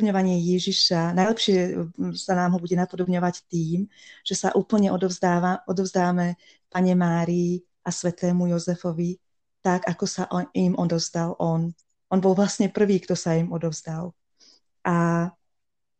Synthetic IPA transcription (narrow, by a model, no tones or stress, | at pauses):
bɲɔʋaɲɪɛjɛʒiʃanajlɛpʃɪɛsanaːmɦɔbuɟɛnapɔd̪ɔbɲɔʋact̪iːmʒ̥ɛsaʔuːpl̩ɲɛʔɔaɔd̪ɔʊzd̪aːmɛ | paɲɛmaːɾiː | ʔasʋɛt̪ɛːmujɔzɛfɔʋi | t̪aɡakɔsaʔimʔɔd̪ɔʊzd̪alʔɔn | ɔnbɔlʋlasɲɛpr̩ʋiːkt̪ɔsaimɔd̪ɔʊzd̪al | ʔa